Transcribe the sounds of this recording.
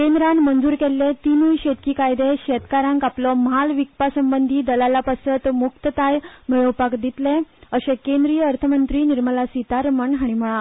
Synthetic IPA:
kẽnd̪ɾanmənd͡zuːɾkelːet̪inujɕet̪kiːkajd̪eɕet̪kaɾãŋkaplɔməɦalʋikpasəmbənd̪ʱiːd̪əlalapəsət̪muk̚t̪ət̪ajmiɭəʋpakd̪it̪leəɕekẽnd̪ɾijəəɾt̪ʰəmənt̪ɾiːniɾməlasit̪aɾməɳɦaɽ̃iməɭa

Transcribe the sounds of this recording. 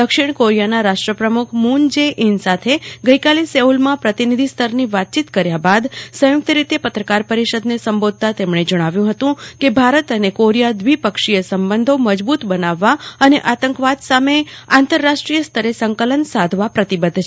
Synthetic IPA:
d̪əkʃiɳkoɾijanaɾaʂʈɾəpɾəmukʰmund͡ʒeʔinsat̪ʰeɡəjkaleseulmãpɾət̪inid̪ʱist̪ʰəɾniʋat̪̚t͡ʃit̪kəɾjabad̪sə̃juk̚t̪əɾit̪epət̪ɾəkaɾpəɾiʃəd̪nesəmbod̪̚ʱt̪at̪emɳ̃ed͡ʒəɽ̃aʋjũɦət̪ũkebʱaɾət̪ənekoɾijad̪ʋipəkʂijəsəmbənd̪ʱoməd͡ʒbut̪bənaʋːaəneʔat̪əŋkʋad̪sameant̪əɾːaʂʈɾijəst̪ʰəɾesəŋkələnsad̪ʱʋapɾət̪ibəd̪ʱ

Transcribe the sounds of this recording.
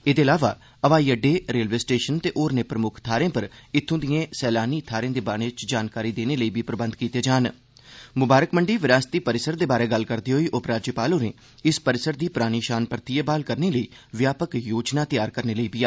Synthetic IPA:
eːd̪eːəlaːʋa̰ː | əʋaːiːəɖeːɾeːlʋeːsʈeːʃənt̪eːʔoːɾneːpɾəmʊkʰt̪ʰaːɾẽːpəɾɪt̪ʰːõːd̪ijẽːsɛːlaːniːt̪ʰːaːɾẽːd̪eːbaːɽ̃eːt͡ʃd͡ʒaːnkaːɾiːd̪eːneːləiːbiːpɾəbə̃nd̪̚kiːt̪eːd͡ʒaːn | mʊbaːɾəkməɳɖiːʋɪɾaːst̪iːpəɾɪsəɾd̪eːbaːɾeːɡəlkəɾd̪iːɦoːiːʔʊpɾaːd͡ʒjəpaːlõːnḛː | ɪspəɾɪsəɾd̪iːpɾaːɽ̃iːʃaːnpəɾt̪iːebaːlkəɾneːləiːʋjaːpəkjoːd͡ʒnaːt̪ɪjaːɾkəɾneːləiːbiaː

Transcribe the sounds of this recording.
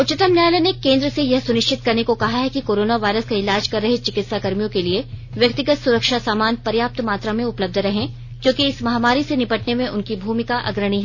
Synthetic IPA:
ʊt͡ʃɪt̪əmnjaːjlənekẽːnd̪ɾəsejɐɦsʊnɪʃt͡ʃɪt̪kɐɾnekokɐɦaɦɛkikoːɾoːnaʋaːɪɾəskaɪlaːd͡ʒkɐɾːɐɦet͡ʃɪkɪt̪sakɐɾmijõkelieʋjɐkt̪ɪɡət̪sʊɾəkʃasaːmaːnpɐɾjaːp̚t̪maːt̪ɾamẽʊpləb̚d̪ʱɾɐɦẽ | kjõːkiɪsmɐɦaːmaːɾisenɪpəʈnemẽʔʊnkibʱuːmɪkaʔɐ̰ɡɾəɽ̃iɦɛː

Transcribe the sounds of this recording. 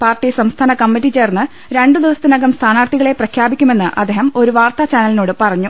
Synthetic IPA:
paːrʈːisɐmst̪ʰaːnɐkɐmːitːit͡ɕe̞ːrnːɨ | ɾe̞ɳɖɨd̪iʋɐsɐt̪ːinɐɡɐmst̪ʰaːnaːrt̪ʰiɣɐɭe̞prɐkʰjaːbikʲːume̞nːɨʔɐ̰d̪ːeːɦɐmo̞ɾuʋaːrt̪ɐt͡ɕaːnɐlinoːɽɨpɐrɐɲːu

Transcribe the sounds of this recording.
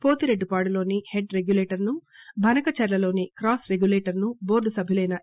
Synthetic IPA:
po̞ːt̪iɾeɖːupaːɽulo̞ːniheɖɾeɡjuleːʈɐɾnubʱɐnɐkɐt͡ʃɛɾlɐlo̞ːnikɾaːsɾeɡjuleːʈɐɾnubo̞ːɾɖusɐbʱilɐjnɐ

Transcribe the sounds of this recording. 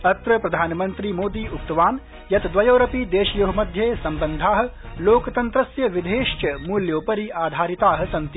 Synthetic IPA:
ɐt̪ɾɐpɾɐd̪ʱaːnɐmɐnt̪ɾimoːd̪iːuk̚t̪ɐʋaːn | jɐt̪d̪ʋɐjoːɾɐpid̪eːʃjuɦɐmɐd̪ʱjeːsɐmbɐnd̪ʱaːɦɐ̆ | loːkɐt̪ɐnt̪ɾɐsjɐʋid̪ʱeːʃt͡ʃɐmuːljoːpɐɾiaːd̪ʱaːɾit̪aːɦɐ̆sɐnt̪i

